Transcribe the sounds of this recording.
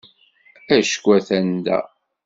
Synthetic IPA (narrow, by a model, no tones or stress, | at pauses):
æʃə̥kʷːæθænd̪æ̰